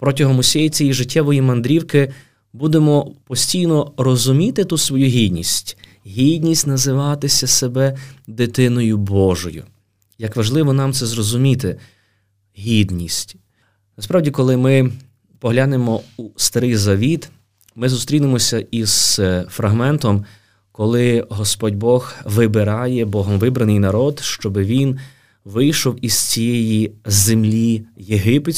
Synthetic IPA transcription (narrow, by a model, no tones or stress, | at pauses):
pɾɔtʲɔɦɔmʊsʲɛjit͡sʲijiʒɪtʲːɛʋɔjimɐnd̪ɾʲiwkɪ | bud̪emɔpɔsʲtʲijnɔɾɔzʊmʲit̪ɪt̪usʋɔjuɦʲid̪ʲnʲisʲtʲ | ɦʲid̪ʲnʲisʲtʲnɐzɪʋɑt̪ɪsʲɐsebɛd̪ɪt̪ɪnɔjʊbɔʒɔjʊ̰ | jɐkʋɐʒlˠɪʋɔnɑmt̪sɛzɾɔzʊmʲit̪ɪ | ɦʲid̪nʲisʲtʲ | nɐspɾɑwdʲikɔlˠɪmɪ | pɔɦlʲanemɔust̪ɐɾɪjzɐʋʲit̪ | mɪzust̪ɾʲinɪmɔsʲɐʔiz̥fɾɐɦmɛnt̪ɔm | kɔlˠɪɦɔspɔdʲbɔɣʋɪbɪɾɑjɛbɔɦɔmʋɪbɾɐnɪjnɐɾɔd̪ʃt͡ʃɔbɪʋʲin | ʋɪjʃɔwiz̥t͡sʲijɛjizemlʲijeɦɪpe